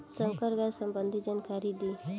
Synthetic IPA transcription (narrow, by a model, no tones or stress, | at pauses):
sə̃wkəɾɡasə̃mbənd̪ʱid͡ʒankʰaɾid̪i